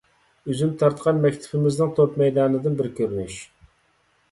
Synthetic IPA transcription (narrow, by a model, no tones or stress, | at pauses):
øzymt̪ʰɑɾt̪qʰɑnmɛkʲt̪ʰɪ̥pʰɪmɪznɨŋt̪ʰopmɛjd̪ɑːnɨd̪ɪnbɪɾkʲøɾnyʃ